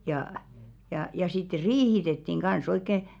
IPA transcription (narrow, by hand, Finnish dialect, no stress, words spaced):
jɑː jɑˑ jɑ sitːe riːhitetːiŋ ɡ̊ɑ̃s oikːe